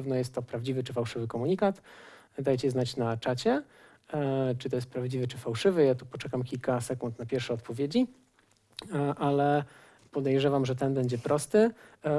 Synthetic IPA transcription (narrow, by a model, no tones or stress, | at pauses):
vnɔjɛst̪ːɔpɾavd͡ʑivɘt͡ʂɘfawʂɘvɘkɔmuɲikat̪ | d̪ajt͡ɕɛznat͡ɕnat͡ʂat͡ɕɛ | t͡ʂɨt̪̬ɔjɛst̪pɾavd͡ʑivɘt͡ʂɘfawʂɘvɘjat̪upɔt͡ʂɛkamkʲilkasɛkunt̪napʲjɛɾfʂɛɔt̪pɔvʲjed͡ʑi | ʔalɛ | pɔd̪ɛjʐɛvamʐɛt̪ɛnbɛɲd͡ʑɛpɾɔst̪ɘ